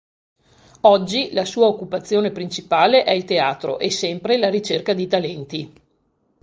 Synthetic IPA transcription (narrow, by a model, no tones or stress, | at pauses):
ɔd͡ʒːilasuːaokːupat̪sːjoːnepɾint͡ʃipaːleʔɛilt̪eaːt̪ɾo̰ʔesɛmpɾelaɾit͡ʃerkad̪it̪alɛnt̪i